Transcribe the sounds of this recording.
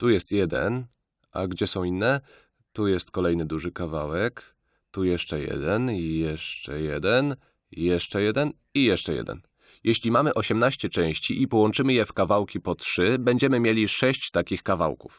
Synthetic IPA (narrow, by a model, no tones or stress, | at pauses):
t̪ujɛst̪jɛd̪ɛ̰n | ʔa̰ɡd͡ʑɛsɔ̃w̃inːɛ | t̪ujɛst̪kɔlɛjnɘd̪uʐɘkavawɛk | t̪ujɛʂt͡ʂɛjɛ̰d̪ɛnjɛʂt͡ʂɛ̰jɛd̪ɛn | jɛʂt͡ʂɛjɛd̪ɛn | ijɛʂt͡ʂɛjɛ̰d̪ɛ̰n | jɛɕlʲimamɘʔɔɕɛmnaɕt͡ɕɛt͡ʂɛ̃w̃ɕt͡ɕiʔipɔwɔnt͡ʂɘmɘjɛfkavawkʲipɔtʂɘbɛɲd͡ʑɛmɘmʲjelʲiʂɛɕt͡ɕt̪akʲixkava̰wkṵf